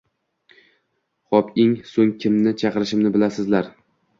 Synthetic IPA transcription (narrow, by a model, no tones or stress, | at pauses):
χɒpɪŋsoŋkʲʰɪmnɪt͡ʃʰɑqɨɾɪʃɪmnɪbɪlasɪzlaɾ